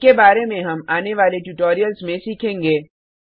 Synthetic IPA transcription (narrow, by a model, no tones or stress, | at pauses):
kebaːɾemẽɦɐmaːneʋaːleʈuːʈoːɾijəlzmẽsiːkʰẽːŋɡeː